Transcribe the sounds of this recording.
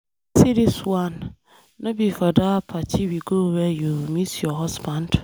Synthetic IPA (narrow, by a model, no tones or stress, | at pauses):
siɾiswãn | nʊ̃bifɔdaːpʰatʰiwiɡowɛjumĩtjɔɦɔsbãnd